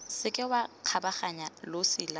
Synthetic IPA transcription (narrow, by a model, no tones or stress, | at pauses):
sɪkʼɪwaq͡χʰabaχaɲalosɪːla